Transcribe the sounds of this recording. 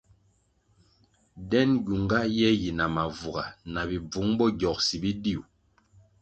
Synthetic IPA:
dɛ˦nɟu˨ŋɡa˦jɛ˦ji˨na˨ma˨vu˨ɡa˨na˨bi˨b͡vu˨˦ŋbɔ˦ɟɔ˨k̚si˨bi˦di˦˨u˨

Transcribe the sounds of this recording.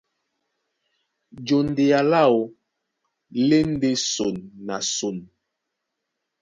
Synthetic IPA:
d͡ʒo˨n˨de˨a˨la˦˨o˨ | le˦n̩˦de˦so˨nːa˨so˨n

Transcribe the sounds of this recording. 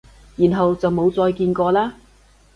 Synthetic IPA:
jiː˨˩nɦɐ˨wt͡sɐ˨wmo˨˧wt͡sɔː˧jkiː˧nkɔː˧laː˥

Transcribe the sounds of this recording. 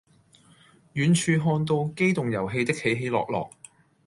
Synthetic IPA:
jyː˨˧nt͡ʃʰyː˧ɦɔː˧nt̪̬o˧wke˥jt̪ʊ˨ŋjɐ˨˩wɦe˧jt̪ɪ˥k̚he˨˥jɦe˨˧˥jlɔ̰ː˨k̚lɔ̰ː˨˩k̚

